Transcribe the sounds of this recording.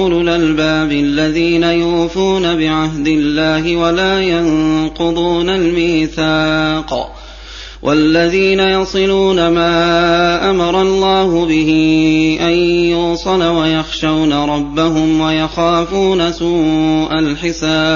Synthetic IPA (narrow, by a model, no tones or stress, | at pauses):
lʊlʔalbaːbɪlːaðiːnajʊːfuːnabɪʕaɦd̪ɪlːaːɦɪwalaːjɑnqʊd̪ˤuːnalmiːθaːq | wʔa̰lːaðiːnajɑsˤɨluːnamaːʔamɑɾˤɑlˤːɑːhʊbɪhɪʔanjʊsˤɑlawajɑxʃawnaɾˤɑbːaɦʊmwajaxaːfuːnasuːʔalħɪsaːb